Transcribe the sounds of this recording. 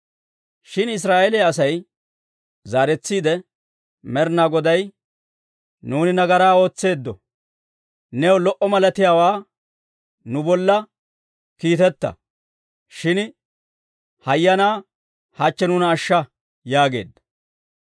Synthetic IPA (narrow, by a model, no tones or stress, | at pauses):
ʃɪnɪs̬ɾaːʔelɛɐsɐj | zaːɾɛt͡sːiːd̪ɛ | mɛɾnaːɡɔd̪ɐj | nuːnɪnɐɡɐɾaːo̞ːt͡sːe̞ːd̪ːɔ | nɛwlɔʔɔmɐlɐt̪ɪjaːwaː | nʊbɔlːɐ | kiːt̪ɛt̪ːɐ̰ | ʃɪn | hɐjːɐnaː | hɐt͡ʃːɛnʊnɐːʃːɐ | jaːɡe̞̰ːd̪ːɐ̥